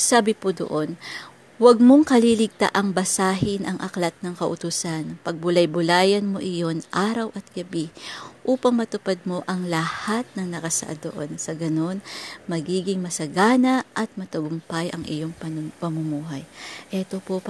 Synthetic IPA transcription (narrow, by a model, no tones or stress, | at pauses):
saːbɪpod̪o̰ʔo̞n | wɐɡ̚mo̞ŋkɐlilɪɡ̚t̪a̰ʔɐŋbɐsaːɦɪnʔɐŋʔɐklɐt̪̚nɐŋkɐʔʊt̪usanpɐɡ̚bʊlɐjbʊlaːjɐnmoʔɪjo̞nʔaːɾɐwʔɐt̪̚ɡ̥ɐbiʔuːpɐŋmɐt̪ʊpad̪̚mo̞ʔɐŋlɐhat̪̚nɐŋnɐkɐsɐ̰ʔa̰d̪o̰ʔo̞̰nsɐɡɐno̞nmɐɡiːɡɪŋmɐsɐɡaːnɐʔɐt̪̚mɐt̪ɐɡʊmpajʔɐŋʔɪ̰jo̞ŋpɐnpɐmʊmuːɦɐjʔɛt̪o̞pop